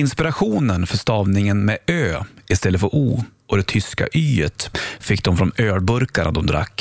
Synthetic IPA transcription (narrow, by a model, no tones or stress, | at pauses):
ɪnspɪɾaɧuːnənfœʂt̪ɑːvnɪŋənmɛøːɪst̪ɛlːəfœɾʔuː | ɔd̪ɛt̪ʰʏska̰ʔyːət̪fɪkːd̪ɔmfɾɔnøːɽbɵɾkaɳa̰d̪ɔmd̪ɾa̰kː